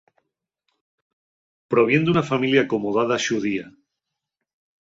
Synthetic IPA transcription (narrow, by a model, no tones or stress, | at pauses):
pɾoβ̞je̞nd̪unafamiljaːkomoð̞aðaʃuðia